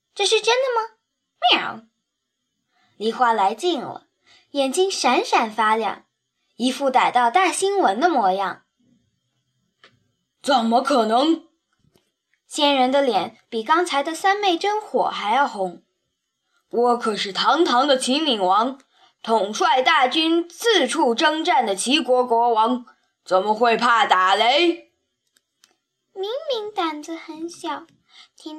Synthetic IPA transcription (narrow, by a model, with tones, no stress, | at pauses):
ʈ͡ʂɤ˥˧ʂɻ̩˥˧ʈ͡ʂə˥nd̪ə˨mə˨ | mɑ˥˩ | li˧˥˩xwa˥la˧˥ɪt͡ɕi˥˩ŋlə̰˩ | jɛ˨˩nt͡ɕi˥ŋʂa˧˥nʂa˨˩nfa˥ljɑ̰˥˩ŋ | i˧˥fu˥˩t̪a˨˩ɪt̪ɑ˥˧ʊt̪a˥˩ɕi˥nwə˧˥nd̪ə˧mwɔ˧˥jɑ̰˥˩ŋ | t͡sə˨˩nmə˦kʰɤ˨˩nɤ˧˥ŋ | ɕjɛ˥nɻə˧˥nd̪ə˧ljɛ˨˧˩npi˨˩kɑ˥ŋt͡sʰa˧˥ɪd̪ə˧sa˥nme˥˩ɪʈ͡ʂə˥nxwɔ̰˨˩˦xa˧˥ɪjɑ˥˩ʊxʊ˧˥ŋ | wɔ˧˥kʰɤ˨˩ʂɻ̩˥˩t̪ʰɑ˧˥ŋt̪ʰɑ˧˥ŋd̪ə˧˨t͡ɕʰi˧˥ŋmi˨˩ŋwɑ˧˥ŋ | t̪ʰʊ˨˩ŋʂwa˥˧ɪt̪a˥˩t͡ɕy˥nt͡sɹ̩˥˧ʈ͡ʂʰu˥˩ʈ͡ʂɤ˥ŋʈ͡ʂa˥˩nd̪ə˩t͡ɕʰi˧˥kwɔ˧˥kwɔ˧˥wɑ˧˥ŋ | t͡sə˨˩nmə˦xwe˥˧ɪpʰa˥˩t̪a˨˩le˧˥ɪ | mi˧˥ŋmi˧˥ŋt̪a˨˩nd͡z̩˧xə˧˥nɕjɑ˨˩˦ʊ | t̪ʰi˥